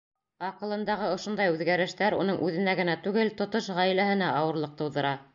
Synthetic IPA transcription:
ɑqɤ̆lˠɤ̆nd̪ɑʁɤŏʃŏnd̪ɑjʉðɡæɾɘ̆ʃt̪æɾṵnɤɴʔʉðɘ̆næɡɘ̆næt̪ʉɡɘlt̪ŏt̪oʃʁæjlæhɘ̆næɑwɤ̆ɾlˠɤq̚t̪ɤ̆wðɤ̆ɾɑ

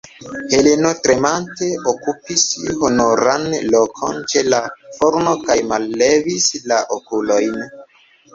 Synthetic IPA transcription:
he̞leno̞tɾe̞manteokupishonoɾanlokʰo̞̰nt͡ʃe̞lafoɾno̞kajmalːevislaʔokulojn

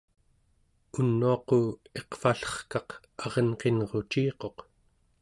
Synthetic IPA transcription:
unːuɑqoe̞qfaɬʌ̥χkɑq | ɑʁʌnqe̞nʁo̞t͡ʃiːqo̞q

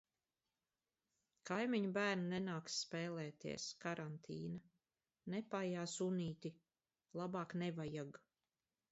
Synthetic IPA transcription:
kajmiɲubæːɾnanɛnaːksːpɛːlɛːt̪ḭɛskaɾʔant̪ʰiːna | nɛpajaːsuniːt̪i | lˠabɑːknɛvajaɡ

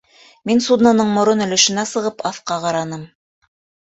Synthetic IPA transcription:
minsud̪nanɤɴmŏɾonɵ̆lɵ̆ʃɘ̆næsɤ̆ʁɤpɑfqɑqɑɾɑnɤm

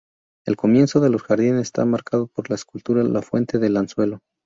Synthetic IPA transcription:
e̞lko̞mje̞nso̞ðe̞lo̞sxaɾðinest̪a̰maɾkað̞o̞po̞ɾlaeskult̪uɾalafwe̞nt̪e̞ðelanswe̞lo̞

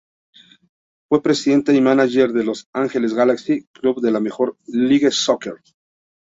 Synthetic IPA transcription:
fwe̞pɾe̞siðe̞nt̪eimanaʝe̞ɾðelo̞saŋxe̞lezɣalaksikluβðe̞lamexo̞ɾliɣesokeɾ

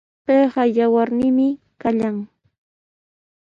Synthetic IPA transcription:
peːɢɑjawaɾnɪmɪ | kaʎaŋ

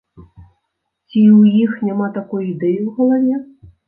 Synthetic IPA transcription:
t͡sʲiwjixnʲamat̪akɔjuid̪ɛjiwɣɐlˠavʲɛ

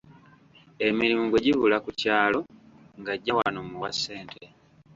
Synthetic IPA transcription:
e̞miɾimuɡwe̞ɟiβulakucaːlo̞ | ŋɡaɟːawa̰nomuwasːe̞ːntʰe̞

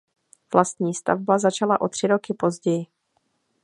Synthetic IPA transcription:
v̥last̪ɲiːst̪a̰vbazat͡ʃalaʔo̞t̪r̥ɪɾo̞kɪpo̞zɟɛjɪ

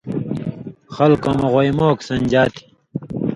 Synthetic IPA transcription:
xɐlkomoʁojmoːksɐnʲd͡ʑaːt̪ʰi̥

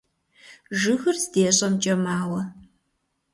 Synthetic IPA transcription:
ʒɨxɨrzdeːɕʼɐmt͡ʃʼɐmaːwɐ

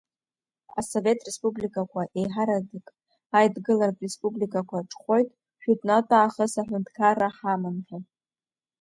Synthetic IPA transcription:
a̰so̞ve̞tʰʼre̞spublikʼakʷʰaʔe̞jħaɾadɨkʼ | ajdɡɨlarkʼre̞spʼublikʼakʷʰaʈ͡ʂʰʼχʷo̞jtʼ | ʃᶣutʼnatʼaːχəsaħʷᶣʊndʰkʰaɾaħamɨnħatʼ

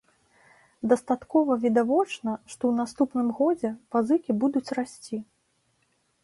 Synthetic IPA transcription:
d̪ɐst̪at̪kɔvɐvʲid̪avɔt͡ʂnɐʂt̪ɔwn̪ast̪upn̪ɨmɣɔd͡zʲɛpazɨkʲibud̪ut͡sʲrasʲt͡sʲi

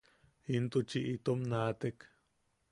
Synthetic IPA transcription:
int̪ut͡ʃiʔit̪omnaːt̪ek

